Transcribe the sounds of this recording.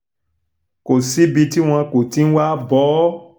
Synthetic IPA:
ko˨si˨˦bi˧ti˦w̃ɔ̃˧ko˨ti˨˦n̩˦wa˦bɔ˨˦

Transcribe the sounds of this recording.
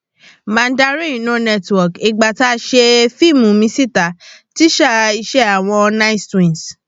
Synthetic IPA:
mã˨˧n˦da˧ɾĩ˦˨nõ˨˦nɛ˦˧twɔ˨ki˨ɡ͡ba˨ta˦ʃe˧fi˦˨mũ˨˦mĩ˧si˦˨ta˨˦ti˦ʃa˦˨i˧ʃɛ˦a˨w̃ɔ̃˧ɔ˧nã˦i˦stĩ˨ns

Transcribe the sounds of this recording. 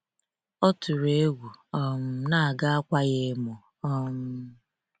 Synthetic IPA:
ɔ˦tʊ˨ɾe˦ɡʷu˨ɔ˦m̩˦na˦a˨ɡa˦a˦kʷa˦ɣe˦mɔ˨ | ɔ˦m̩˦

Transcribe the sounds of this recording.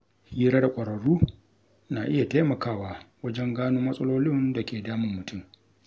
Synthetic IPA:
hiː˦ɾaː˦da˨kʷʼɐ˨ɾɐ˨ɽuː˦ | naː˨ʔɪ˦ja˨ta˦jmɐ˨kaː˦˨waː˨wɐ˦d͡ʒɛ˦ŋɡaː˦noː˦mɐ˦sʼɐ˦loː˦lɪ˦nda˨kʲeː˨daː˦mɪ˨mːʊ˨tʰʊ˦˨m

